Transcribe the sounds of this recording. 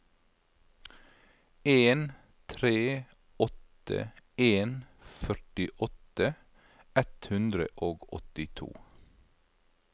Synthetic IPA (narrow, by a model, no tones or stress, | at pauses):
eːn | t̪ʰɾeː | ɔt̪ | ə̰eːnfœʈɪʔɔt̪ə | ɛt̪hʉnd̪ɾə̰ʔoːɡɔ̰t̪ɪt̪ʰṵː